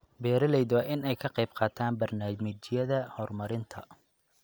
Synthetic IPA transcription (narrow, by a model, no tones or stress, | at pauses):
bɛːɾɐlɛjd̪ɑʔɪnɛjkʰɐqɑjbqɑːt̪ʰaːnbɐrnaːmɪt͡ʃɪjɐðɐhɔːrmɐɾɪnt̪ʰɐ